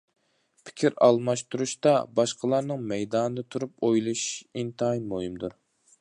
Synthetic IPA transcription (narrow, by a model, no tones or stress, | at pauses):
pʰɪ̥kʲʰiɾɑ̰lˠmɑʃt̪uɾuʃt̪ɑbɑʃqʰəlˠɑɾnɨŋmɛjd̪ɑnɨd̪ɨt̪ʰuɾup̚ojlˠuʃint̪jmuhimd̪uɾ